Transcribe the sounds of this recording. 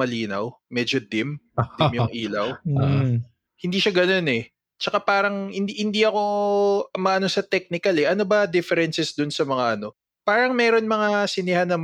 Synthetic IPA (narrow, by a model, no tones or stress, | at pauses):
mɐliːnɐ̰w | mɛːd͡ʒod̪ɪm | d̪mjʊŋʔiːlɐw | hɪnd̪iːʃaɡɐno̞nɛ | t͡ʃɐkapaːɾɐŋhɪnd̪ihɪnd̪iʔɐko̞ | mɐʔɐnosɐt̪ɛk̚nɪkɐlɛʔɐno̞bɐd̪ɪfɛɾɛnsɛsd̪ʊnsɐmɐŋaʔɐno̞ | paːɾɐŋmɛːɾo̞nmɐŋasɪnɪhanːɐm